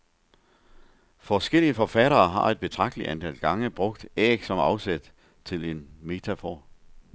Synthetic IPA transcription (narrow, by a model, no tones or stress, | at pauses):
fɒsɡ̥el̰iəfɒ̽fæɾɐːɦɑ̈e̝d̥̚b̥e̝t͡sʰʁɑ̈ɡ̥̚d̥əlidʔænd̥ʰel̰ɡ̥ɑ̈ŋəb̥ʁɔ̽ɡ̥d̥ɛːɡ̥sɒ̽mɑ̈ʊsed̥ | t͡sʰe̝le̝nme̝t͡sʰæfɒ̰ː